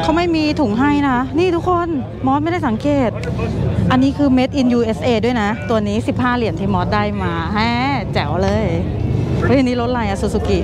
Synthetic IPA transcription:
k̪ʰa˧˥˩wma˥˩jmiː˧t̪ʰu˨˩˦ŋɦa˥˩jna˦˥niː˥˩t̪ʰu˦˥kʰːo˧˥n | mɔː˦˥t̪̚ma˥˩jda˥˩jsa˩˦ŋkeː˨˩t̪̚ʔa˧nːiː˦˥kʰɯː˧me˦˥t̪̚ʔi˧njuː˧ʔe˦˥sʔeː˧du˥˩əjna˦˥t̪u˧ɐniː˦˥si˨˩p̚haː˥˩li˩˦ənt̪ʰiː˧˩mɔː˦˥t̪̚daː˥˩jmaː˧ɦɛː˧˥˩t͡ɕɛː˩˦wlɤː˧jʰ | ɔ˦˥˩a˧niː˦˥lo˦˥t̪̚la˧jʔa˧˩su˨˩su˨˧˩ki˨˩ʔ

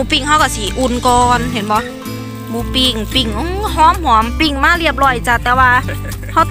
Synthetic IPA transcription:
uː˧˩pi˧˩ŋha˧˥˩wka˧˩si˧˦ʔu˧˩nkɔː˧nɦe˨˦nbɔ˧˦ | muː˧˨pi˧˩ŋpi˧˩ŋʔhɔː˧˥˨mhu˨˩˦əmpi˧˩ŋmaː˧˥˨li˧˩əp̚lɔ˧˩jt͡ɕa˧t̪ɛː˧˩waː˧ | ha˧˥˩

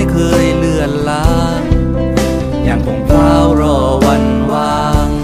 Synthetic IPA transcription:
jkʰɤː˧jlɯ˧˩ənlaː˦˥ | ɲa˨˧˩ŋkʰo˧˦ŋpʰaː˧˩wɾɔː˧˩wa˧n | waː˧

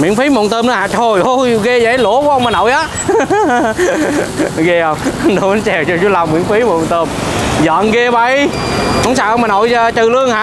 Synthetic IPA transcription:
wḭ˧˨˥nfi˨˦mo̰˨˧˨nt̪əː˧mnə˨˦ha̰ː˧˨t͡ɕ̪ʰo˧˩jʔo˧˩jɣe˧za˨˧˨lu˧˥əkɔ˧˦ʔa˧wŋ͡mmaː˨˩no̰˧˨jʔaː˨˦ | ɣe˧ʔə˧wŋ͡mɗo˨˦˨t͡ɕɛ˨˩wt͡ɕɔ˧t͡ɕu˨˦la˧wŋ͡mːwḭ˧˨ənfi˨˦mo˨˧˨nt̪əː˧m | zɔ̰ː˧˨nɣe˧ɓə˧˩j | hŋ͡msaː˧˨ʔwmaː˨˩no̰˧˨jə˧t͡ɕɨ˨˩lɨ˧əŋhaː˧˨

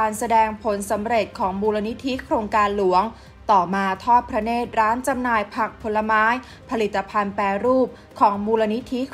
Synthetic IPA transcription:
aː˧nsa˧dɛː˧ŋpʰo˩˦nsa˩˦mɾe˨˩t̪̚kʰɔː˩˦ŋmuː˧la˧ni˦˥t̪ʰi˦˥kʰɾoː˧ŋkaː˧nlu˩˦əŋ | t̪ɔː˨˩maː˧t̪ʰɔː˥˩t̪̚pʰɾa˧˥neː˥˩t̪̚ɾaː˦˥nt͡ɕa˧mnaː˧jpʰa˨˩k̚pʰo˨˧˦la˧maː˦˥j | pʰa˧li˨˩t̪ːa˧pʰa˧npɛː˧ɾuː˥˩p̚ | kʰɔː˩˦ŋmuː˧la˧ni˦˥t̪ʰi˦˥

